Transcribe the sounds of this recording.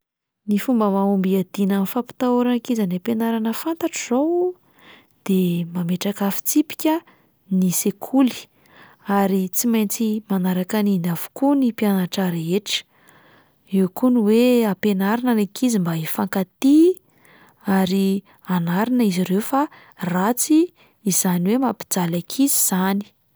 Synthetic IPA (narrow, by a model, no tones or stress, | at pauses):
nifumbəmaumbiad̪̥inamifapi̥t̪auɾanikizanapenaɾanəfant̪aʈ͡ʂizow | d̪̥emameʈ͡ʂakafi̥t͡sipi̥kʲə | nisekʰuli̥ | aɾit͡simajnt͡simanaɾakaninavu̥kunipianaʈ͡ʂaɾaeʈ͡ʂə̥ | ewkuniweapenaɾinanakizimbaifaŋkat̪i | aɾi | anaɾinəiziɾewfa | rat͡siː | z̥aniwemapi̥d͡zalakʰiziz̥ani̥